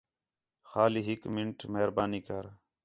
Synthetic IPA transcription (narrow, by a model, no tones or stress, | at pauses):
xaːliːɦɪkmɪɳʈmeɦɾbaːniːkəɾ